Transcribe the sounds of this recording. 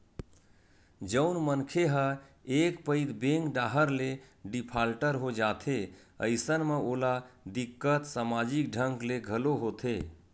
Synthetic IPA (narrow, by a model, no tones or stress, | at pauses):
d͡ʒəʊnmənkʰeɦəekpəɪd̪beŋkɖaɦəɾleɖipʰalʈəɾɦod͡ʒat̪ʰe | ə̰ɪsənmeolad̪ikːət̪samad͡ʒik̚ɖʱəŋkleɡʱəloɦot̪ʰe